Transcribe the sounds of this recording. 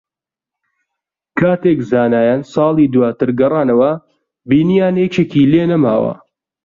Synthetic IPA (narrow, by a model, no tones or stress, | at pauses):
kʰaːt̪ekzaːnaːjaːnsɑːlˠiːd̪uwaːt̪ɨɾɡɐrˤɑːnɐwɐ | biːnijaːnjet͡ʃeːkiːleːnɐmaːwɐ̰